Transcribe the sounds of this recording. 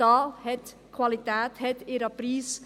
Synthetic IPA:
ɑːhɛt̪ | kʰʋɑlit̪ɛːt̪hɛt̪eɾɑpɾiːs

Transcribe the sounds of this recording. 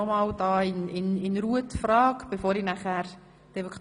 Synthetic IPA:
ɔmɑːld̥ɑːɪnɪnɪnɾuətfɾɑːkb̥efoːɾinæχæɾ | d̥evokʰ

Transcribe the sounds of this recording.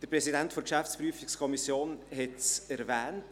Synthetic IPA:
d̥əɾprɛsidɛntfɔɾkʃæft͡spryəfikskʰɔmisjoːnhɛtsɛɾvɛːnt

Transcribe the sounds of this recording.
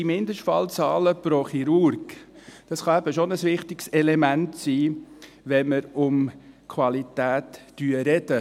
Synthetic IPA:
imɪnd̪əʃtfɑlt͡sɑːləpɾoχiɾʊɾɡd̥ɑsχɑæbəʃonəsʋɪχtɪksɛlɛmæntsiː | ʋɛnməɾʊmkʰʋɑlit̪æːt̪ːyəɾɛd̥ə

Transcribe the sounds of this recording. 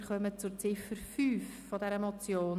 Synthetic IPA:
χœmət͡sʊɾt͡sɪfəɾfyːfːɔdɛɾəmɔt͡sjoːn

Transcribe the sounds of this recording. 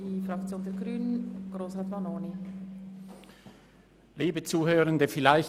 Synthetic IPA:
ifɾɑkt͡sjoːndɛɐɡɾyːnənɡ̥ɾoːsatmanoːni | liːbət͡suːhøːʁəndəfɪlaɪç

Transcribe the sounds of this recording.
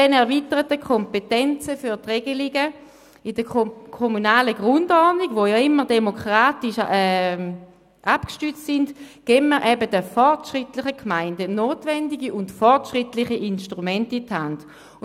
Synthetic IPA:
ɛnɛʁvitəʁətəkʰɔmpetɛnt͡səfyɐtʁeɡəliɡə | ɪd̥əkʰɔmunaːləɡʁʊndɔdniɡ̥ʋojɑɪmːəʁdemokʁaːtiʃɛ | ʔapkʃtyt͡stsɪndɡ̥eːməʁʔɛbədəfɔʁtʃʁɪtlɪχəkʰmaɪndənoːtvɛndiɡiʊntfɔʁtʃʁɪtlɪχiʔɪnʃtʁumɛntithand

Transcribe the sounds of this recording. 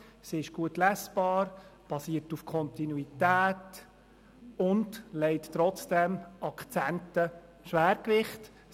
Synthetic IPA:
siɪʃɡ̥uətlæsb̥ɑːɾb̥ɑsiːərtufkʰɔntinuitæːt | ʊndlɛɪttːɾɔt͡sd̥ɛmʔɑkt͡sæntə | ʃʋæːɾkʋɪχt

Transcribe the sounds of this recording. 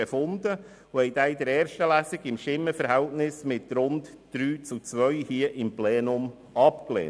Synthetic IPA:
efʊnd̪ə | ʊhɛɪd̪aɪd̪əɾɛːɾʃtəlæːsiɡɪmʃɪmːəfəɾɦɛltnɪsmɪtɾʊnd | d̥ɾyːt͡sut͡sʋœɥhiəʔɪmpleːnʊm | ɑpklḛː

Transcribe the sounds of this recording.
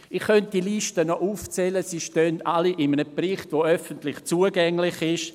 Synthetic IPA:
ɪχxœnt̚d̥iliʃtənɔʔuːft͡sɛləsiːʃtœndaliʔɪmənəprɪχtʋoœfəntlɪχt͡suəɡɛŋlɪχɪʃ

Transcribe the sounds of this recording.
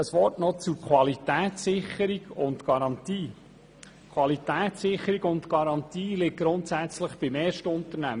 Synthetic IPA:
əsʋɔtnɔt͡sukʰwɑlitæːt̪sɪχəɾiɡʊntɡ̥ɑɾɑnt̪iː | kʰwʋɑlitæːt̪sɪχəɾiɡʊntɡ̥ɑɾɑnt̪iːlɪk̚ɡ̥ɾʊnt̪sæt͡sləχb̥ɪmeːɾʃtəʊntəɾnæmə

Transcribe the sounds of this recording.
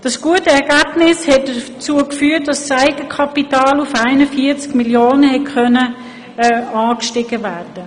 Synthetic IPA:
d̥ɑsɡ̥uətəɛɾɡæːb̥nɪshɛt̚dət͡suəkfyːət̚dɑssaɪɡəkʰɑpitɑːlufaɪnəfiːət͡skmiljoːnəhɛtkœnə | ɑːkʃtɪɡəvæːrd̥ə

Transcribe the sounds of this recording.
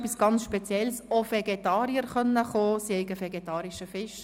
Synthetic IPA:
pːisɡ̥ɑnt͡ssʃpɛt͡sjɛlsofɛɡetɑːɾiəɾχœnːəχoːsihɛɪɡəfɛɡet̪ɑːɾiʃəfɪʃ

